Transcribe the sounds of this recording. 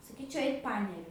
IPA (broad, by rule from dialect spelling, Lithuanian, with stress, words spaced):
sɐˈkʲiːt͡ʃʲɛʊ ˈɛɪk ˈpɑːnʲɛrʲʊ